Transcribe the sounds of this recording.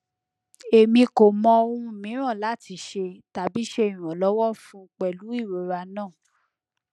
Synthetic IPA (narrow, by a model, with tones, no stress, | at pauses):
e˨mĩ˧ko˨mɔ̃˧o˧ũ˧˨mĩ˨˦ɾ̃ɔ̃˦˨la˨˦˨ti˧˦ʃe˧ta˨bi˨˦ʃe˧i˨ɾ̃ɔ̃˨lɔ˨˦wɔ˦fũ˦k͡pɛ˨lu˨˦i˦˨ɾo˨˦ɾa˧nãː˦˨